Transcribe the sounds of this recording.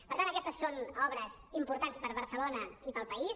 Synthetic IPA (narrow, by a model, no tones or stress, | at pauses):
pəɾt̪antəkɛst̪əsːonɔβɾəzimpuɾt̪anspəɾβəɾsəlonəipəlˠpəis